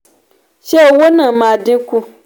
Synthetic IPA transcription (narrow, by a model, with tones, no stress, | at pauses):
ʃe˦˨wo˦nã˨mã˨dĩ˦ku˦